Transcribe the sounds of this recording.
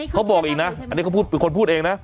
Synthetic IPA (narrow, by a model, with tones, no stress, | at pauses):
kʰa˦˥wbɔː˨˩k̚ʔiː˨˩k̚na˦˥a˧nː˧iː˦˥˩ka˥puː˥˩pe˧nkʰo˧npʰu˥˩t̪ʔeː˧ŋna˦˥ʔ